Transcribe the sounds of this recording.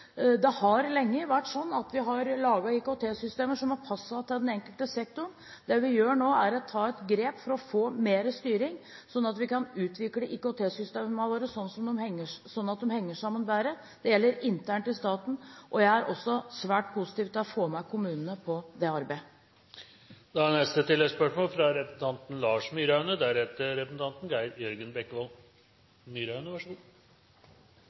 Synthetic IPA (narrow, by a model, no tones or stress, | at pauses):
d̪ɛhɑɾlɛŋːəʋæʈːsɔnːɑt̪ʋɪɦɑɾlɑːɡɑɪkʊt̪ʰeːsʏst̪eːməʂɔmhɑɾpʰɑsːɑt̪ʰːɪld̪ɛnɛŋkəlt̪əsɛkt̪ʊɳ | d̪ɛʋɪjøːɳoːæɾɔt̪ʰɑːɛt̪ɡɾeːpfɔɾɔfoːmeːɾəst̪yːɾɪŋsɔnːɑt̪ʋɪkɑnʉːt̪ʋɪkləʔɪkʊt̪ʰeːsʏst̪eːmɑləɾəsɔnːsɔmd̪ɔmhɛŋːəʂsɔnːɑt̪̚d̪ɛmhɛŋːəʂɑmːənbæːɾə | d̪̥ɛjɛlːəɾɪnt̪ʰæːɳʈɪst̪ɑːt̪n̩ʔɔjæɪæɾʔɔsːɔsʋæːʈ̚pʰusɪ̥t̪iːʋt̪ʰɪlɔfoːmæɪkʰʊmʉːnənəpʰɔd̪ɛɑɾbæɪ | d̪̥ɛænɛst̪ət̪ʰɪlːɛspœʂmoːlfɾɑɾɛpsn̩t̪ʰɑnt̪n̩lɑːʂmyːɾɑʉnəd̪æɾhɛt̪əɾɛpəsn̩t̪ʰɑnt̪n̩ɡæɪɾjœɾɡənbɛkːʋɑl | myːɾɑʉnəʋɑʂu